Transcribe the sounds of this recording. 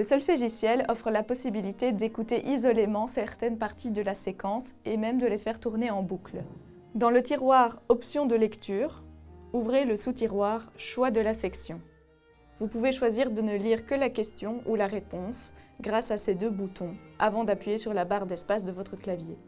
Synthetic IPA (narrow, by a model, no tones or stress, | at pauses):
ləsœlfeʒisjɛlɔfχəlapɔsibilit̪ed̪ekut̪eʔizɔlemɑ̃sɛʁt̪ɛnpaʁt̪id̪əlasekɑ̃semɛmd̪əlefɛʁt̪uʁneɑ̃bukl | d̪ɑ̃lət̪iʁwaʁɔpsjɔ̃d̪əlɛkt̪yːʁuvʁeləsut̪iʁwaʁʃwad̪əlasɛksjɔ̃ | vupuveʃwaziʁd̪ənəliʁkəlakʲɛst̪jɔ̃ʔulaʁepɔ̃sɡʁasased̪øbut̪ɔ̃avɑ̃d̪apɥijesyʁlabaʁd̪ɛspasd̪əvɔt̪χəklavje